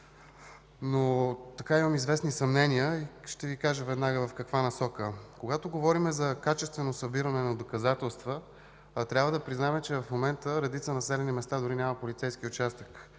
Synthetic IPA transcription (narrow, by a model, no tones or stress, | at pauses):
not̪ɐkaiməmizvɛsnisɐmnɛnʲiəiʃt̪ɛvikaʒəvɛd̪naɡəvɐfkɐkvanɐsɔkəkoɡat̪oɡovɔɾimɛzɐkat͡ʃɛst̪vɛnosɐbiɾənɛnɐd̪okɐzat̪ɛlˠst̪və | t̪ɾʲabvəd̪ɐpɾiznamɛt͡ʃɛvɐfmomɛnt̪əɾɛd̪it̪sənɐsɛlɛnimɛst̪ad̪ʊɾinʲamɐpolʲit̪sɛjskiʊt͡ʃast̪ək